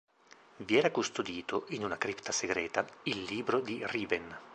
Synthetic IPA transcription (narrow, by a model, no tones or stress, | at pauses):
viɛːɾakust̪od̪iːt̪oʔinunakɾipt̪aseɡɾɛːt̪ailːiːbɾod̪iriːven